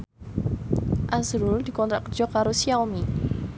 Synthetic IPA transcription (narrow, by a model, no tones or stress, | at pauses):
ʔasɾuld̪̥i̤kɔnt̪ɾaʔkərd͡ʒ̥ɔ̤kaɾosiaomi